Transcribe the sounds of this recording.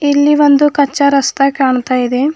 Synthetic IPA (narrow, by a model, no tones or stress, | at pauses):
ilːiʋond̪ukɐt͡ʃːɐɾɐst̪ʰɐkaːɳt̪aːjid̪e